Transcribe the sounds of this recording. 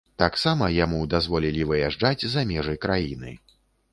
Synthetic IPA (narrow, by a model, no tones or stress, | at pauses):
t̪aksamɐjamud̪azvɔlʲilʲivɨjaʐd͡ʐad͡zʲzamʲɛʐɨjkɾajinɨ̰